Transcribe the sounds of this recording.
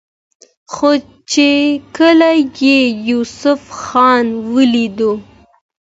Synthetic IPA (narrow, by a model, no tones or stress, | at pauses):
xo | t͡ʃekəlajejusʊfxɑnwəlid̪u